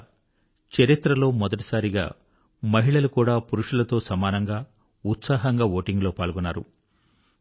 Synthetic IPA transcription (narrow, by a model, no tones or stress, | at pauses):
t͡ʃɐɾit̪ɾɐlo̞ːmɔd̪ɐʈi̥saːɾiɡa̰ː | mɐɦiɭɐlukuːɽaːpuɾuʂulɐt̪o̞ːsɐmaːnɐŋɡaː | ut̪saːɦɐŋɡaːʋoːʈiŋɡlo̞ːpaːɭɡunːaːɾṵ